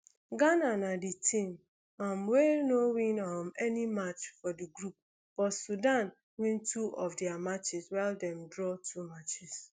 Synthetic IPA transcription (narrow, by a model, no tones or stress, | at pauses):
ɡananaditʰĩm | amwenowĩnamɛnimat͡ʃfɔdiɡɾup̚ | b̥ɔsudan | wĩntʰuʔɔfdiamat͡ʃɪswaldɛ̃mdɹɔtʰumat͡ʃɪs